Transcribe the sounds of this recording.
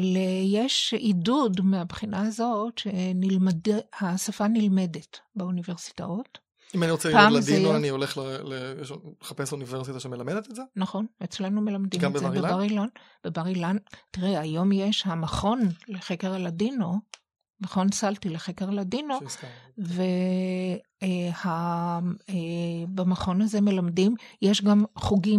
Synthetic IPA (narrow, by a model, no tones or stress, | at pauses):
lejeʃidudmeabχinaazo̞tʃenilmadehasafanilme̞detbeunive̞ʁsi̥ta̰ot | imaniʁot͡sepalazdijoanioleχlelejeʃleχapesuniveʁsit̪aʃemelamedet̪etzeːaχo̞net͡sle̞nume̞lamd̪imaezbebaʁilon | b̥ebaʁilantiʁeajo̞mje̞ʃhamaχo̞nleχeke̞ʁaladino | maχo̞nsaltileχekeʁaladino | ve̞ | eha | ebamaχo̞naze̞me̞lamdimjeʃɡamχuɡi